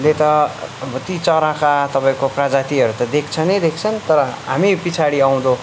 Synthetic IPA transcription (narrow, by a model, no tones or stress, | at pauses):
let̪ʌbʱʌt̪it͡sʌɾãkat̪ʌpaĩkoprad͡zat̪iʌɾut̪ʌd̪ekʰt͡sʰʌned̪ekʰt͡sʰʌnt̪ʌɾʌɦamipit͡sʰaɽiaw̃d̪o